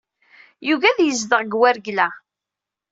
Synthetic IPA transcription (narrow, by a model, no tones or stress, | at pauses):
juʝæðjəzðəʁɡwæɾɡlæ